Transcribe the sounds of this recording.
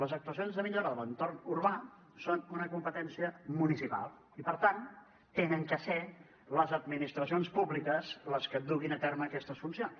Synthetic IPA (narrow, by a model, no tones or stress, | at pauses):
ləzək̚t̪uəs̬ionzðəmiʎoɾəðələnt̪ornuɾβa | sonunəkumpət̪ɛnsiəmunisipa̰lˠ | ipəɾt̪an | t̪enəŋkəsɛ | ləzəd̪minist̪ɾəs̬ionspuβlikəzləskəd̪uɣinət̪ɛɾməːkɛst̪əsfunsions